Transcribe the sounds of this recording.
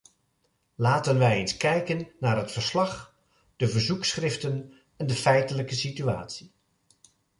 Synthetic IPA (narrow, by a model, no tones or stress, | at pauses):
laːtənʋɛjejnskɛjkənːaːɹɦətfəɹslɑχ | d̥əvəɹzuksχrɪftən | ɛndəfɛjtələkəsitya̰ːtsi